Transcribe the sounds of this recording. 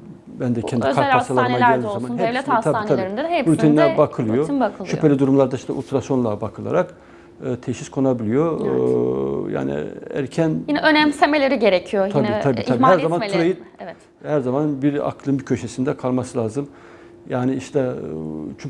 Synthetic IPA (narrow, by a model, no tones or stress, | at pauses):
bænd̪ɛkʰɛnd̪ikʰaɾsalˠaɾmaɟelʲd̪ʲizzamanhɛvlʲɛat̪ʰaait̪ʰabiɾind̪ɛɛbulʲt̪ʰininɛbakʰɯlˠɯjoakʰɯlˠʃypʰe̞lʲid̪uɾumlˠaɾd̪aiʃt̪ɛʔṵlʲt̪ʰɾasjo̞nlˠabakʰɯlˠa̰ɾak | ɯt̪ʰeʃiskʰo̞nabilʲijo | ja̰ːnḭæ̰ɾcʰænjinɛʔønɛmsemelʲeɾiɟeɾecʰijojt̪ʰabniabiiabihæɾzamanuɾajɯɛvɛt̪ | hæɾzamanbiɾa̰kʰlˠɯnbicʰø̞ʃesind̪ɛkʰalˠmasɯlʲˠaːzɯm | jaːniiʃt̪ʰɛ | t͡ʃʰu